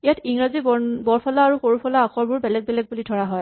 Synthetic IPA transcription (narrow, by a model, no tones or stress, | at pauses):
ijatʰiŋɹazibɔɹpʰɔlaːɹuxoɹupʰɔlaːkʰɔɹbʊɹbɛlɛɡ̚bɛlɛɡ̚bulitʰɔɹaɦɔj